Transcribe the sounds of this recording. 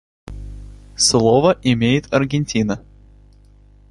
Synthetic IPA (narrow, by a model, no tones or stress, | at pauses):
slˠovəʔɪmʲejɪt̪ɐrɡʲɪnʲtʲinə